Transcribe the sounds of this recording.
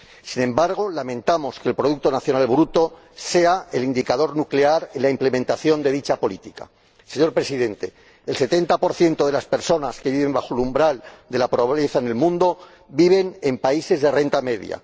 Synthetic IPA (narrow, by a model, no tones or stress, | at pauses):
sinẽ̞mbaɾɣ̞o̞lamẽ̞nt̪amo̞ske̞ːlpɾoðuk̚t̪onaθjo̞nalβɾut̪o̞ | se̞ae̞lind̪ikaðo̞ɾnukle̞aɾe̞nlaimple̞ment̪aθjo̞nd̪e̞ðit͡ʃapo̞lit̪ika̰ | se̞ɲo̞ɾpɾe̞siðe̞nt̪e̞ː | lse̞t̪e̞nt̪apo̞ɾθje̞nt̪oðe̞laspe̞ɾso̞naske̞βiβe̞mbaxo̞lumbɾald̪e̞lapɾoβaβleθaene̞lmũnd̪o̞ | biβe̞ne̞mpaise̞zðe̞re̞nt̪ame̞ðj̰a̰